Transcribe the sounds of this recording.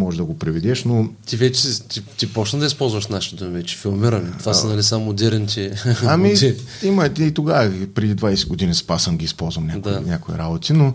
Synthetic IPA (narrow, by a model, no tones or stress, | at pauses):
mɔʒd̪ɐɡopɾɛvid̪ɛʃnot̪ivɛt͡ʃɛt̪it̪ipɔt͡ʃnəd̪ɐispɔlˠzvɐəʃnaʃi̥d̪umivɛt͡ʃɛ̥filˠmiɾɐnit̪vasɐnɐlisamod̪ʲɛɾɛnt͡ʃɛamit͡ʃɛimɐt̪iːt̪oɡavəpɾɛd̪id̪vajsɛɡod̪inispasənɡʲiːspɔlˠzvɐmnʲad̪anʲakoḭɾabot̪ino